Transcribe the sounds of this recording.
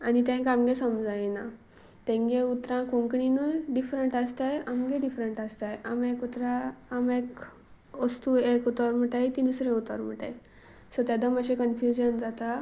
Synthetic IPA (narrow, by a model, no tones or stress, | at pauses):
anit̪ẽkamɡesəmd͡zajena | t̪ẽŋɡeut̪ɾãkõŋkɳinəɖifɾəɳʈast̪ajamɡeɖifɾəɳʈast̪ajʔamekut̪ɾãːmek | ʋəst̪uekut̪əɾm̤əʈajt̪inəsɾẽut̪ə̰ɾm̤əʈa̰j | sɔt̪ad̪aməɕẽkənfjud͡ʑənd͡zat̪a